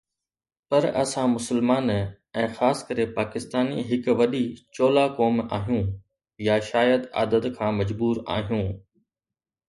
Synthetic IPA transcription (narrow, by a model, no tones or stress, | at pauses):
pɐɾɐ̰sãmʊsəlmaːn | ɛ̃ːxaːskɐɾepaːkɪst̪aːniɦɪkʋɐɗit͡ɕoːlakɔːma̰ːɦijũ | jaʃaːjəd̪a̰ːd̪əd̪kʰãːmɐd͡ʑbuːɾa̰ːɦijũː